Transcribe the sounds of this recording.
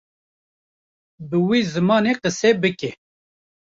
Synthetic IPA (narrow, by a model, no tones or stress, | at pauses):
bɨwiːzɨmɑːneqəsebɨke